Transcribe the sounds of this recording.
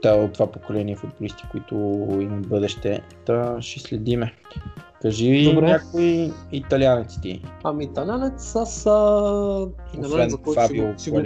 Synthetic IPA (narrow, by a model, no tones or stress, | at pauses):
t̪aot̪ːovapokolɛniɛfʊd̪̚bolist̪i̥koit̪ʊimɐbɤd̪ɛʃt̪ɛ | t̪ɐʃɛslɛd̪imɛ | kɐʒiiɾnʲakoiit̪ɐlianɛt̪st̪ḭɐmiːt̪ɐlʲanɛt̪səsə | ovɛnfai